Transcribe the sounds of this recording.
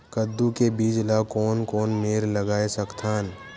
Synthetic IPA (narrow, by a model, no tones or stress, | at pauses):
kəd̪ːukebiːd͡ʒlakɔːnkɔːnmeːɾləɡaːesɐkt̪ʰaːn